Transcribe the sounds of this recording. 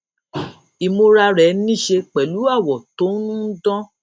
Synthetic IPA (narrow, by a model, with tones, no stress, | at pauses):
i˨mo˧ɾa˧ɾɛ˨˦nĩ˦˨ʃe˧k͡pɛ˨lu˨˦a˦˨wɔ˨to˨˦nũ˦dɔ̃˦